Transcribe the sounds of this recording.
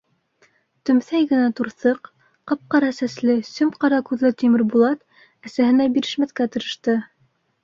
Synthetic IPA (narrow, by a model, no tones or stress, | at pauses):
t̪ɵ̆mθæjɡɘ̆næt̪uɾθɤq | qɑp̚qɑɾɑsæslɘsɵmqɑɾɑkʉðlɘt̪imɘɾbulˠɑt̪ | æsæhɘ̆næbiɾɘ̆ʃmæθkæt̪ɤ̆ɾɤ̆ʃt̪ɤ